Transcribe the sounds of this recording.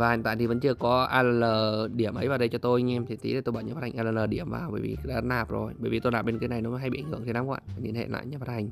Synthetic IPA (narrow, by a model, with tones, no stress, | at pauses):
vaː˨˩ht̪aː˧˨t̪ʰi˨və̰˧˦nt͡ɕɨ˧əkɔ˨˦ʔaː˧ləː˧ləː˨˩ɗi˧˩əmʔə˨˦jvaː˨˩ɗə˧jt͡ɕɔ˧t̪o˧jɲ˧ɛ˧mt̪ʰi˨˩t̪ḭ˨˦ɗə˨˩t̪jɓaː˧˩nɲəː˨˩a˦˥ha˨˩ŋʔːləː˧˩ləː˨˩ɗi˧˩əmva̰ː˨˩wɓə̰ː˧˩jvḭ˨˩ɗaː˨˧˥naː˨˩p̚zo˨˩jɓəː˧˩jvi˨˩t̪o˧jlaː˨˩mɓe˧nkaː˨˦na˨˩jnɔ˨˦m˨˦ɦa˧jḭ˧˨˧ŋ̟hɨ˧əŋt̪i˨˩naː˨˦kwa̰ː˧˨aː˨˩ni˧˩ənhḛ˧˨la̰ː˧˨jɲaː˨˩faː˦˥t̚ha˨˩ŋ̟